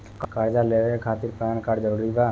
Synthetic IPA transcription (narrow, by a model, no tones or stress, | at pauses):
kkaɾd͡ʒaleːʋekʰaːt̪ɪɾpaankaːɖd͡ʒəɾuːɾibaː